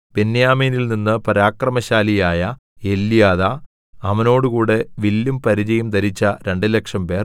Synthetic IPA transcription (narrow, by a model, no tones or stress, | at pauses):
penːjaːmeːnilninːɨpɐɾaːkrɐmɐɕaːlijaːjɐ | e̞lːijaːðɐ | ɐʋɐno̞ːɽukuːɽe̞ʋilːumpɐɾid͡ʑɐjumd̪ɐɾit͡ɕːɐɾe̞ɳɖɨle̞kʂɐmpe̞ːr